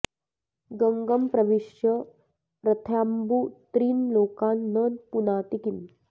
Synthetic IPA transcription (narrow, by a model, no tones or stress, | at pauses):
ɡɐŋɡɐmpɾɐʋiʃjɐ | pɾɐt̪ʰjaːmbut̪ɾiːnloːkaːnːɐnpunaːt̪ikim